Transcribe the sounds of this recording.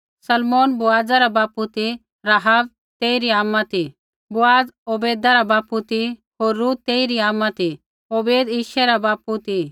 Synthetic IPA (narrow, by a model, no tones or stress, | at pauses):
sɐlmoːnbʊaːd͡zaɾabaːput̪i | ɾaɦaːb̚ | t̪eːiɾiaːmːat̪i | bʊaːd͡zoːbeːd̪aɾabaːput̪i | ɦoːɾːuːt̪t̪eːiɾiaːmːat̪i | oːbeːd̪iːʃɛɾabaːput̪i